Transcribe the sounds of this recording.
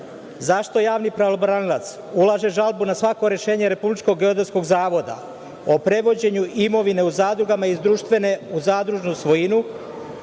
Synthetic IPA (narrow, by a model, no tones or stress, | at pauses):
zaʃt̪o̞jaːʋnipɾaʋelobɾanilat̪s | ulaʒe̞ʒalˠbunasʋako̞ɾe̞ʃe̞ːɲeɾe̞publit͡ʃko̞ɡeo̞d̪esko̞ɡzaːʋo̞d̪a̰ | o̞pɾe̞ʋo̞d͡ʑe̞ɲuʔimo̞ʋine̞uzaːd̪ɾuɡamaizd̪ɾuːʃt̪ʋe̞ne̞uzaːd̪ɾuʒnusʋo̞jinu